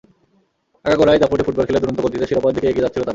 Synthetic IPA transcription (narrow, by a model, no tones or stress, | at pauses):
ɛkaɡoɾajd͡ʑapoʈifuʈ̚bɔlkʰeled̪uɾont̪okoɾt̪it̪eʃiɾopad̪ʱikeeɡied͡ʑatːt͡ɕʰilot̪a